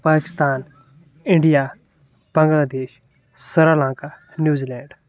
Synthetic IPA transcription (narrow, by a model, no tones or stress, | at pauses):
paːkɪ̥st̪aːn | ɪ̃ɳɖijaː | b̥ə̃ŋɡlaːd̪eːʃ | səɾaːlãːŋka | njuːziːlɛːɳɖ